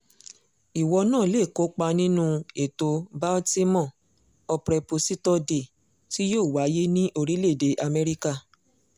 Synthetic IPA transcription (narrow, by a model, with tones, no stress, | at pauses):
i˨wɔ˧nãː˦˨le˦˨ko˨˦k͡pa˧nĩ˦nũ˦˧e˨to˧ba˦ti˦mɔ̃˦˨ | ɔ˧pɾɛ˧po˧si˦tɔ˦de˨ | ti˦joː˦˨wa˨˦je˦nĩ˦ʔo˧ɾi˨˦le˦˨de˨˦ʔa˧mɛ˦ɾi˦ka˦˨